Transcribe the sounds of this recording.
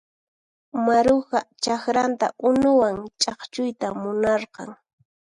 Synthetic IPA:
maɾoɢɑt͡ʃakɾant̪a̰ʔʊnʊwaŋt͡ʃʼɑχt͡ʃʊjt̪amʊnɑɾqɑŋ

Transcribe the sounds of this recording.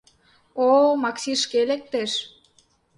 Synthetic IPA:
omɑksiʃkelek̚t̪eʃ

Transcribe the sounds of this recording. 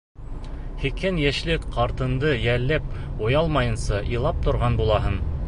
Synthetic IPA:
hikɘnjæʃlɘkqɑɾt̪ɤ̆nd̪ɤjælːæp̚ujɑlˠmɑjɤ̆nsɑʔilˠɑp̚t̪ŏɾʁɑnbulˠɑɦɤn

